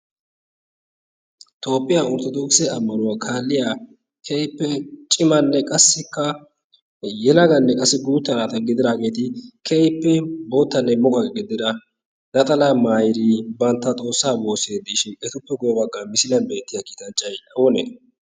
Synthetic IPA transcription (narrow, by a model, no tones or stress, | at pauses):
t̪ʰʼo̞ːpʼːɪjaːɔɾt̪ɔd̪oːksɛɐmːɐnʊwakʰaːlːɪjaː | kʰɛjpːɛt͡ʃʼɪmɐnːɛkʼɐsːɪkːɐ | jɛlɐɡɐnːɛkʼɐsːɪɡuːt̪ːɐɾaːt̪ɐɡɪd̪ɪɾaːɡe̞ːt̪ɪkʰɛjpːɛbo̞ːt̪ːɐnːɛmɔkʼɐɡɪd̪ɪd̪ɐ | nɐt̪ʼɐlamaːjɪɾiːbɐnt̪ːɐt̪ʼo̞ːsːaːbo̞ːse̞ːd̪ːɪʃɪʔɛt̪ʊpːɛɡʊjɛbɐɡːamɪsɪlɐnbe̞ːt̪ːɪjakiːt̪ɐnt͡ʃʼːɐjᶑɐwɔnḛ